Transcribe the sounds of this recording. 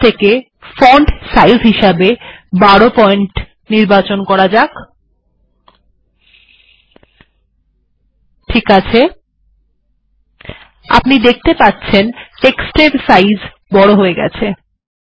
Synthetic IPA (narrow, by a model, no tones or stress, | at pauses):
t̪ʰeke | foɳɖsajzɦiʃabebaɽopɔeɳʈ | niɾbat͡ɕonkɔɾad͡ʑak | ʈʰikat͡ɕʰe | a̰pnid̪ek̚ʰt̪epatːɕʰenʈeksʈɾeɾsajz | bɔɽoɦoeɡɛ̰t͡ɕʰe